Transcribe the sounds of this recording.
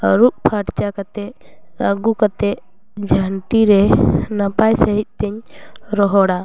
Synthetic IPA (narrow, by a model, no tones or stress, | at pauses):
ɾup̚pʰaɽt͡ʃakat̪ɛəɡukat̪ɛʔ | d͡ʒʱaɳʈiɾɛnapajsəɦit̪̚ˀt̪ɛɲɾɔɦɔɽa